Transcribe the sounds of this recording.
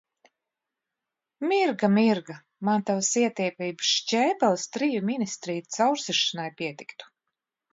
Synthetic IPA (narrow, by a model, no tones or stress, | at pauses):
miɾɡamiɾɡɐ | mant̪awsiɛt̪ɛːpiːbɨ̥sʃt͡ʃʲɛːbɛlˠst̪ɾiːvuminist̪ɾiːt̪sawɾsiʃanajpiɛt̪ikt̪u̥